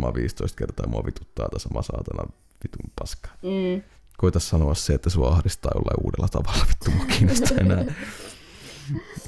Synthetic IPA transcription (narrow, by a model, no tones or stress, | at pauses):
mɑʋiːst̪oist̪kert̪ɑːmuɑʋit̪ut̪ːɑːjt̪ɑsɑmʔɑsɑːt̪ɑnɑ | ʋit̪umpɑskɑ̥ | koit̪ɑssɑnoɑsseet̪ːæsuɑɑhdist̪ːˑɑːo̰lːḛʔṵːdelːɑt̪ɑʋɑlːɑʋit̪ːumoɑkiːnost̪ʰɑenæː